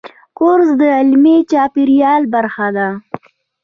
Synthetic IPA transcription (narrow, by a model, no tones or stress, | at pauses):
kʊɾzd̪əɪlmet͡ʃɑpiɾijɑlbaɾxad̪a